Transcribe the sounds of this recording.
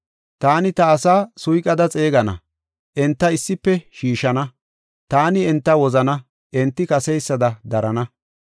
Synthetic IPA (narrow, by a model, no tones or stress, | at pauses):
t̪aːnɪt̪ɐːsaːsʊjkʼɐd̪ɐt͡sʼe̞ːɡɐnɐ̰ | ʔɛnt̪ːɐɪsːɪpːɛʃiːʃɐnɐ | t̪aːnɪɛnt̪ːɐwɔzɐnɐ | ʔɛnt̪ːɪkɐsɛjsːɐd̪ɐd̪ɐɾɐnɐ